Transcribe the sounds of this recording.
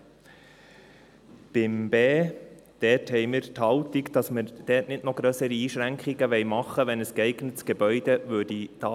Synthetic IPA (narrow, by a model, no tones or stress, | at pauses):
b̥ɪmb̥ɛː | d̥ɛthɛɪməɾtʰɑʊt̪ɪkd̥ɑsməd̥ɛːtnɪtnɔχɡ̥ɾœsəɾiiːʃɾæŋkχɪɡəʋɛɪmɑχəʋɛnɛsɡ̥ɛɪɡnətsɡ̥ɛbœʏdəvøːdid̥ɑː